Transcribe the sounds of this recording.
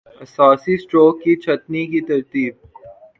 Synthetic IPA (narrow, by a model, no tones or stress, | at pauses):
ɐsɔːsisʈɾoːkːit͡ʃʰɐt̪nikit̪ɐɾt̪iːb̚